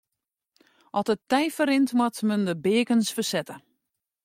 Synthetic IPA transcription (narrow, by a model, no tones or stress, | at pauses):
ʔɔtətːɛjfəɾɪntmwɔtməndəbɪəkənsfəsɛtə